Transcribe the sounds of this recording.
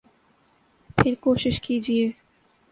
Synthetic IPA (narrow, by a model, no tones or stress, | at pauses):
pʰeɾkoʃiʃkid͡ʑije